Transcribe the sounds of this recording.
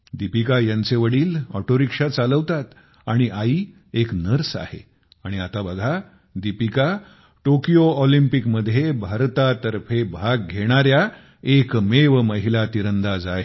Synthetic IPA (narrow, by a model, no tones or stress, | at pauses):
d̪ipikajãnt͡seʋəɽiːlɔ̰ʈoɾikʂat͡saləʋt̪at̪ | aɽ̃iʔaiː | eknəɾsa̰hḛ | aɽ̃iat̪abəɡʱa | d̪ipika | ʈokijoɔlimpikməd̪ʱːjebʱaɾt̪at̪əɾfʰebʱaɡ̚ɡʱeɽ̃aɾja | ekmeʋəməɦilat̪iɾənd̪ad͡zaje